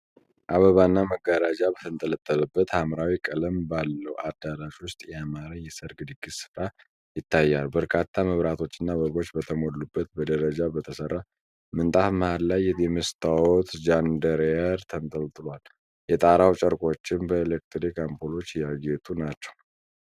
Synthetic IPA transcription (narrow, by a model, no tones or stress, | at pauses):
ʔaβəβanːaməɡːaɾad͡ʒabət̪ʰɨnt̪ʼələt̪ʼːələbːət̪hamɾawikʼələmbalːəwʔad̪alaʃwʊst̪ʼjɛamaɾaɲjɛsəɾɡɨd̪ɨɡːisɨ̥fɾa | jɪt̪ʰːajːalbəɾkʰat̪ʰːaməβɾat̪ʰo̞t͡ʃːɨnːaβəβo̞t͡ʃːbət̪ʰəmolːubːət̪bəd̪əɾəd͡ʒabət̪ʰəsərːa | mɨnt̪ʼat̪məhad̪lajːɛjɛməst̪ʰʼawɔt̪d͡ʒand̪əɾɛɾt̪ʰənt̪ʼəlt̪ɨlal | jɛt̪ʼaɾawt͡ʃʼəɾkʼo̞t͡ʃːɪnbəelek̚t̪ʰɾikampʰolo̞t͡ʃːjaɡet̪ʰunat͡ʃːɛ̥w